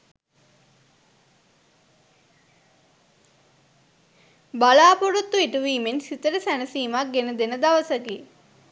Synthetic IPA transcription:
balaːpoɽot̪ːueʈəʋiːmensit̪əɾəsænəsiːmak̚ɡenəd̪enəd̪aʋəsəkeː

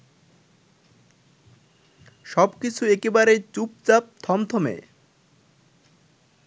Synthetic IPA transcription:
ʃɔbkit͡ɕʰuekebaɾejt͡ɕup̚t͡ɕap̚t̪ʰɔmt̪ʰɔmḛ

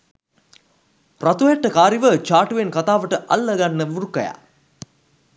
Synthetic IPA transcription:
prat̪uæʈːəkaːɾiʋət͡ʃaːʈuʋenkat̪aːʋəʈəʔɐ̰lːəɡanːəʋuɾukɐja̰

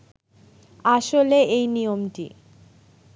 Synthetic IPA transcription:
aʃoleʔejnijomʈḭ

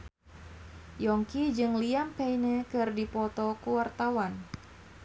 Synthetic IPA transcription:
jɔŋkid͡ʒɨŋliampɛjnəkɨrdipɔt̪ɔkuwart̪awan

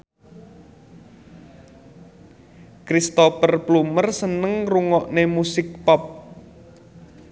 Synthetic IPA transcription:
kɾist̪ɔfərplumərsənəŋruŋɔʔnemusɪk̚pɔp̚

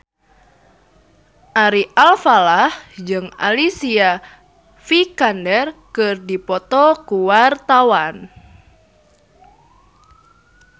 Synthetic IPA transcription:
ʔaɾiʔalfalahd͡ʒɨŋa̰lisia | fikandɛrkɨrdipɔt̪ɔkuwart̪awan

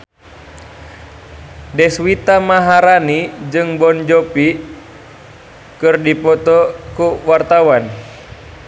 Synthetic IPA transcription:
dɛswit̪amaɦaɾanid͡ʒɨŋbɔnd͡ʒɔpi | kɨrdipɔt̪ɔkuwart̪awan

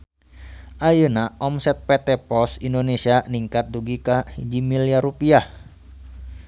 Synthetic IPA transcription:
ʔajənaʔɔmsɛt̪̚pɛt̪ɛpɔsindonesianiŋkat̪̚duɡikahid͡ʒimiliaɾupiah

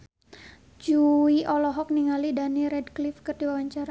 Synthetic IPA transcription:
d͡ʒuiʔɔlɔɦɔk̚niŋalidaniɾɛdklifkərdiwawaɲt͡ʃaɾa

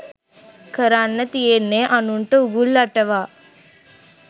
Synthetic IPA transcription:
kɐɾanːɐt̪ijenːeʔɐnuɳʈɐuɡulːɐʈːɐʋaː

